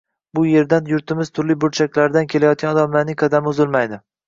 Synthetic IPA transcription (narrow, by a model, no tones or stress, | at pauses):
bʊje̞ɾd̪anjʊɾt̪ʰɪmɪz̥t̪ʰʊɾlɪbʊɾt͡ʃʰakʲlaɾd̪ankʲʰe̞lajɒt̪̚kʲanɒd̪amlaɾnɪŋqʰɑd̪amʊzɪlmajd̪ɪ